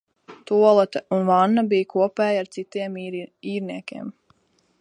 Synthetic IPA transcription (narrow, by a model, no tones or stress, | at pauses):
t̪uɔlˠat̪ɛunvanːabiːjkuɔpɛːjaɾt̪sit̪iɛmiːɾniɛkʲiɛm